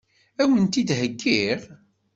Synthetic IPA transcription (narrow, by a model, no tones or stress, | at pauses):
æwənt̪id̪həɡːiʁ